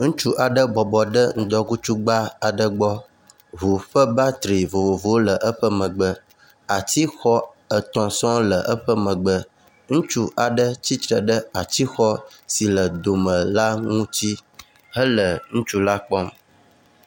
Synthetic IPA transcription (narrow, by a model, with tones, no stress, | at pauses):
ŋũ˦t͡ʃu˦ʔa˨ɖə˦bɔ˨bɔ˨ɖə˦ŋ̩̃˦d̪ɔ˦ku˦t͡ʃu˦ɡ͡ba˦a˨ɖə˦ɡ͡bɔ˦ | ɦu˨ɸə˦ba˦t̪ɾi˨vo˨vo˨vo˨wo˦lə˨ʔə˦ɸə˦mə̃˨ɡ͡bə˦ | a˨t̪i˦xɔ˦ | ə˨t̪ɔ̃˨sɔ̃˦lə˨ʔə˦ɸə˦mə̃˨ɡ͡bə˦ | ŋũ˦t͡ʃu˦ʔa˨ɖə˦t͡ɕi˦t̪ɾə˨ɖə˦a˨t͡ɕi˦xɔ˦si˨lə˨d̪o˨mə̃˨la˦ŋũ˦t͡ɕi˦ | hə˦lə˨ŋũ˦t͡ʃu˦la˦k͡pɔ˦m